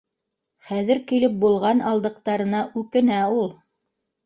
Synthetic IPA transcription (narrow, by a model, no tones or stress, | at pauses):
χæðɘɾkilɘp̚bulˠʁɑnɑlˠd̪ɤ̆q̚t̪ɑɾɤ̆nɑʔʉkɘ̆næulˠ